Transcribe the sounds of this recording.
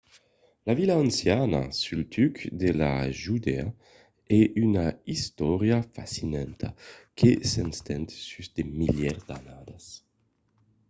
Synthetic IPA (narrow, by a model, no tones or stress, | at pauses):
lavilaansjana̰sylt̪ʰykd̪ela̰ʒud̪ea | ɛʔynaist̪ɔɾjafa̰sinɛnt̪ʰakesenst̪ɛnt̪syzd̪emiljɛɾd̪anad̪as